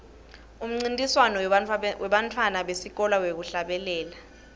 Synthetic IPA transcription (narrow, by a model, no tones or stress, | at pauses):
um̩ŋ͡ǀintʼiswanɔwɛɓantʰwanaɓesik̬ɔlawek̬uɬaɓɛlɛːla